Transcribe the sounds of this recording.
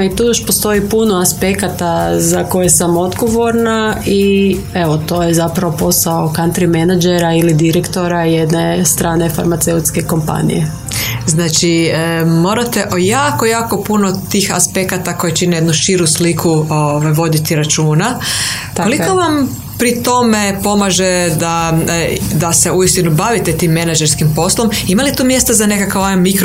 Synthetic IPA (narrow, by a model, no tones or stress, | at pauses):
it̪uːjoʃpost̪o̞ipunoaspekat̪azako̞jesamo̞d̪ɡo̞ʋo̞ɾnai | e̞ʋo̞t̪o̞ːjezapɾaʋo̞po̞saokant̪ɾimenad͡ʒeɾailid̪iɾekt̪o̞ɾajed̪nest̪ɾʔaːne̞fa̰ɾmat̪seut̪ske̞ko̞mpa̰nḭje | znaːt͡ʃimo̞ːɾat̪e̞ʔojaːko̞jaːko̞punot̪iːxa̰spe̞kat̪ako̞jet͡ʃinejed̪nuʃiɾuslikʰuoʋajʋo̞d̪it̪iɾat͡ʃuːna | t̪ko̞liko̞ʋam | pɾit̪o̞me̞po̞maʒed̪a | d̪ase̞uist̪inubaʋit̪et̪iːmːenad͡ʒeɾskimpo̞slo̞m | imalit̪uːmje̞st̪azane̞kakaomikɾ